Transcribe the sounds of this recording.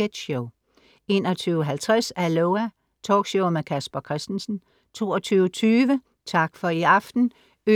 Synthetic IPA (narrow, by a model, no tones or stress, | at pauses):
ed̥ɕoʊ | e̝ːnɒt͡sʰyːʊəɦælt͡sʰʁasæloʊæ | t͡sʰɒ̰ːɡ̥ɕɔʊmekʰæsb̥ɐkʰʁɛsd̥n̩sn̩ | t͡sʰo̝̰ːɒt͡sʰyːʊət͡sʰyːʋə | t͡sʰɑ̈ɡ̥fɒ̽iɑ̈fd̥n̩ | ø